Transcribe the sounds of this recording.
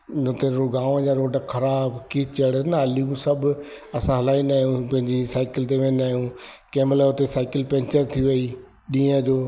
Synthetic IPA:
ʊt̪eɾoɡãːʋə̃d͡ʑaːɾoːɖəkʰɐɾaːbkit͡ɕəɽnɐɐliũsɐb | ɐsãɦɐlaːinaːɦjũpɐ̃ɦɪ̃ɲd͡ʑisaːɪkɪlt̪̬eʋẽnaːɦjũ | keːmlaʊt̪esaːɪkɪlpɛ̃ɲt͡ɕəɾt̪ʰiʋɐi | ɗĩːə̃d͡ʑoː

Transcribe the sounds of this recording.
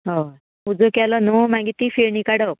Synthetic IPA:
ɦɔ | ud͡zokɛlɔnɔmãɡit̪ifeɾnikaɽək̚

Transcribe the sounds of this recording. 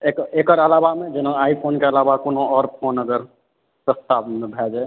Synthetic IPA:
ekeːkəɾəlaːbamẽd͡ʒɪnə̃aipʰoːnkeəlabakonoɔːɾpʰoːnəɡəɾ | pɾəst̪abmẽbʱed͡ʒa

